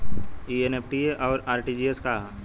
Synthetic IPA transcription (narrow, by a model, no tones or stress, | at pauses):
ienepʰʈieʔɔːɾaːɾʈid͡ʒieska